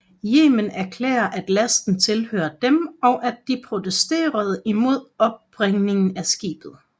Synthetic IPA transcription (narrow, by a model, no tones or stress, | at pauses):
jḛːmənæɐkʰlɛ̰ːɐʔæd̥læsd̥n̩t͡sʰe̝lhø̰ːɐd̥emɒ̽ʊʔæd̥ːipʰʁo̝t͡sesd̥e̝̰ːɐð̞ˠimo̝ð̞̰ˠɒ̽b̥̚ːʁeŋne̝ŋn̩æsɡ̥ḭːb̥ð̞̩ˠ